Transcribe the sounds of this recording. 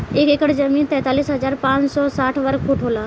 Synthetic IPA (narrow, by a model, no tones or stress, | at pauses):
eːkeːkəɽd͡ʒəmiːnt̪ɛ̃ːt̪aːliːsɦəzaːɾpãːt͡ʃsɔsaːʈʰʋəɾkfʰuʈʰɦoːlaː